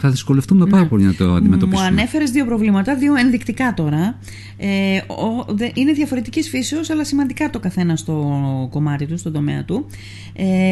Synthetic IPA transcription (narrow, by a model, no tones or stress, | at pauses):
θɐðisko̞lefθumɐmpɐɾɐpolinɐt̪oɐ̰nd̪imet̪ompisɐne̞fe̞ɾe̞zðio̞pɾo̞vlimɐt̪ɐðio̞e̞nðikt̪ikɐt̪o̞ɾɐ | eoðeʔine̞ðʝɐfo̞ɾe̞t̪icisfiseo̞sɐlɐsimɐnd̪ikɐt̪o̞kɐθe̞nɐst̪o̞ko̞mɐt̪it̪ust̪o̞nd̪o̞me̞̰ɐ̰t̪u | e